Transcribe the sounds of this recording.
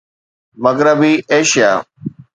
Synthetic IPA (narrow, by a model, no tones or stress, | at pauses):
məɣɾəbiːʔeːʃija̰ː